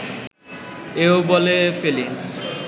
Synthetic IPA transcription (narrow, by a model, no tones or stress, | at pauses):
eobolefelin